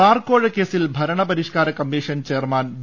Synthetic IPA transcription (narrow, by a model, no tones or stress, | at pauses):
aːrkoːɻɐkːeːsilbʱɐɾɐɳɐpɐɾiʂkaːɾɐkɐmːiːʂɐnt͡ɕeːrmaːn